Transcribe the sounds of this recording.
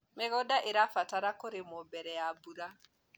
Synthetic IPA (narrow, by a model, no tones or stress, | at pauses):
meɡɔdaʔeɾafataɾakoɾemobɛɾɛjabuɾa